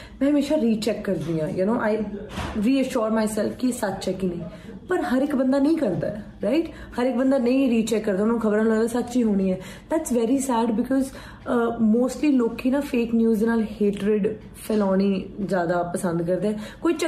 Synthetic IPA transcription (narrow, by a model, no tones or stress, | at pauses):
mɛ̃ːɦəmeːʃaːɾiːt͡ʃɛkːəɾd̪iːãːjənoːʔaɪɾiːəʃɔːɾmaːɪsɛlfkisət͡ʃt͡ʃɛkiːnə̃ĩː | pəɾɦəɾɪkbə̃nd̪aːnəĩːkəɾd̪a̰ːɛ | ɾaɪʈ | həɾɪk̚bə̃nd̪aːnə̃ĩɾiːt͡ʃɛkːəɾd̪aːʊnaːnũːkʰəbəɾãnlə̃ːd̪asətːt͡ʃiːɦoːɽ̃iːɛː | d̪æːʈsʋɛːɾisɛːɖbɪkʰɔːz | moːsʈliːloːkiːnaːfeːknjuːznaːlheːʈɾɪɖ | fʰɛlɔːniːzjaːd̪aːpəsə̃nd̪kəɾd̪eːɛːkoːit͡ʃə